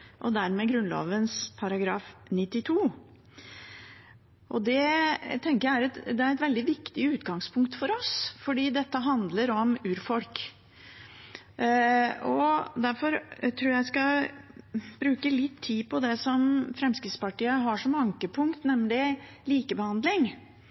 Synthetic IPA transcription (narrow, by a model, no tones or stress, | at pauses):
ʔɔd̪æɾmɛɡɾʉnlo̰ːʋənspʰɑɾɑɡɾɑːfnɪt̪ːɪt̪ʰuː | ʔɔd̪ɛt̪ʰɛŋkəjææɾɛt̪d̪ɛæɾɛt̪ʋɛld̪ɪʋɪkt̪ɪʉːt̪ɡɑŋspʰʊŋkt̪fɔɾɔsfɔɖiːd̪ɛt̪ːəɦɑnd̪ləɾɔmʉːɾfɔlk | ɔd̪æɾfɔɾt̪ʰɾuːɾjæɪskɑ | bɾʉːkəlɪt̪ʰːiːpʰɔd̪ɛsɔmfɾɛmskɾɪt̪spɑʈiːəɦɑʂɔmɑŋkəpʰʊŋkt̪nɛmlɪ | liːkəbəhɑnd̪lɪŋ